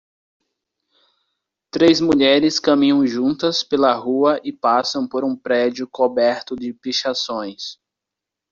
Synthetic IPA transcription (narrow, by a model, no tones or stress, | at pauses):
t̪ɾezmuʎɛɾɪskɐmĩɲɐ̃w̃ʒũnt̪ɐspelɐɦuɐʔɪpasɐ̃w̃poɾũpɾɛd͡ʒʊkobɛɾt̪ʊd͡ʒɪpiʃasõj̃s